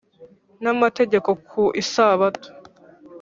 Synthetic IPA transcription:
namate̞ɟe̞ko̞kʰuʔisaːβatu̥

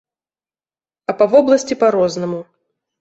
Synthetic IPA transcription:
ɐpɐvɔblˠɐsʲt͡sʲipɐaɾɔznɐmu

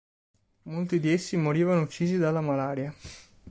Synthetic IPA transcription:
molt̪id̪iesːimoɾiːvanout͡ʃːiːzid̪alːamalaːɾja

